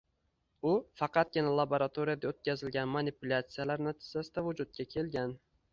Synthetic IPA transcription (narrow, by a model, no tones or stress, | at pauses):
ʊfɑqɑt̪̚ɡʲɪnalˠaboɾat̪ʰoɾijad̪aot̪̚kʲʰazɪlɡʲanmanipʊlʲat̪sijalaɾnat̪ʰɪ̥d͡ʒasɪd̪avʊd͡ʒʊt̪̚kʲakʲʰe̞lɡʲan